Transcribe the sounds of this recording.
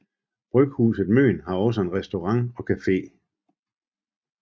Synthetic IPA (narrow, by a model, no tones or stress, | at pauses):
b̥ʁœɡ̥hṵːsð̩ˠmø̰ːnɦɑ̈ɒ̽s̬əenʁɛsd̥o̝ʁɑ̈ŋɒ̽kʰæfe̝̰ː